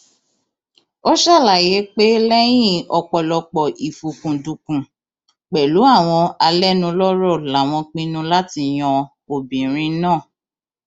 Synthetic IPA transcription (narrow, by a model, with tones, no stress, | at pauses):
o˦ʃa˦˨la˨je˨˦k͡pe˦lɛ˦j̃ĩ˦˨ɔ˧k͡pɔ˨lɔ˧k͡pɔ˨i˨fu˨kũ˨du˧kũ˨ | k͡pɛ˨lu˨˦a˦˨w̃ɔ̃˧a˧lɛ˦nũ˧lɔ˦ɾɔ˦˨la˨˦˨w̃ɔ̃˧k͡pĩ˧˦nũ˧˦la˦ti˧j̃ɔ̃˧ | o˨bĩ˨ɾ̃ĩ˧˦nãː˦˨